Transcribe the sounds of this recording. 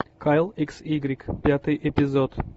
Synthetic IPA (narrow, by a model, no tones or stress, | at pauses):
kʰajlˠiksiɡɾʲikpʲat̪ɨjʔepʲɪzot̪